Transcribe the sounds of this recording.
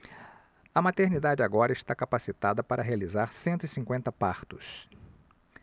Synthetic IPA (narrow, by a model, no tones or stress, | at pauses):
ɐmat̪eɾnid̪ad͡ʒɪaɡɔɾɐɪʃt̪akapasit̪ad̪ɐpaɾʔɐɦealizaɾsẽnt̪ʊisĩŋkwẽnt̪ɐpaɾt̪ʊs